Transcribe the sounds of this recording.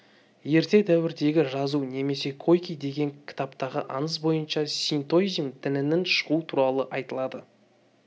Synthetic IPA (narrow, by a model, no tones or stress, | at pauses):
je̞ɾt̪e̞d̪æwɪɾd̪e̞ɡʲɪʒɑzune̞me̞se̞kʰo̞jkʲijd̪e̞ɡʲe̞ŋkʲʰɪ̥t̪ɑpt̪ɑʁə̰ʔɑ̰nəs̬bo̞jənʃɑsʲijnt̪o̞zʲmt̪ʰɪlɪnɪnʃə̥ʁut̪ʰuɾɑlˠəʔɑjt̪əlˠɑd̪ə